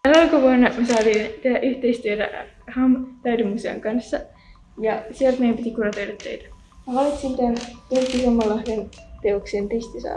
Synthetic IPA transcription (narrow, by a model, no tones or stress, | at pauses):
ænɑlkoʋuɑnːɑmysɑːt̪iːnt̪ehæʔyht̪eist̪yøt̪æ̰ | hɑmt̪æydemːuseo̰ŋkɑnsːɑ | jɑsielt̪mejæmpit̪ikunot̪øjtɑt̪ːejt̪æ̥ | mɑʋɑlit̪sint̪ænt̪urkːisemːɑlːɑhʋent̪eokseːnt̪est̪isɑ̰ː